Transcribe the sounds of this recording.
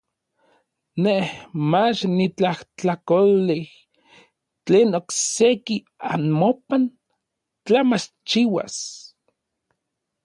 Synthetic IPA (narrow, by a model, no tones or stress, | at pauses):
nehmat͡ʃnit͡ɬaht͡ɬakolih | t͡ɬeːnokseki | anmopan | t͡ɬamat͡ʃ | t͡ʃiwa̰s